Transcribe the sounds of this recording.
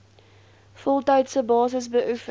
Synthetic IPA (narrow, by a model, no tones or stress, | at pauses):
fɔlˠtœɥtsəbɑːsəsbəʔuf